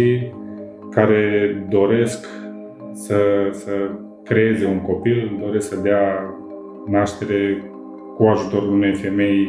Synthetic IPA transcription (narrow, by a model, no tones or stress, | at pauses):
i | kaɾe̞d̪o̞ɾe̞sk | səsə | kɾe̞e̞ze̞uŋko̞pild̪o̞ɾe̞sksəd̪ea | naʃt̪e̞ɾe̞ | kuaʒut̪o̞ɾune̞jfe̞me̞j